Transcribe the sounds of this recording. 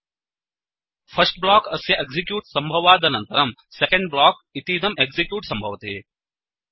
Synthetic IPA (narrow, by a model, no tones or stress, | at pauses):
fʰɐsʈ̚blaːkɐsjɐʔeɡzikjuːʈsɐmbʱɐʋaːd̪ɐnɐnt̪ɐɾɐmsekɐ̃ɳɖblaːk | it̪iːd̪ɐmeɡzikjuːʈsɐmbʱɐʋt̪eː